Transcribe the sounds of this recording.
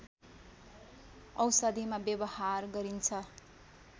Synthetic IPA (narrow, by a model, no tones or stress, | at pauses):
ʌwsʌd̪ʱimabjʌbʌharɡʌɾint͡sʰʌ